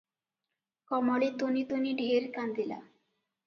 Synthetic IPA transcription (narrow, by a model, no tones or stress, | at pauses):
kɔmɔɭit̪onit̪oniɖʱeɾkand̪ila̰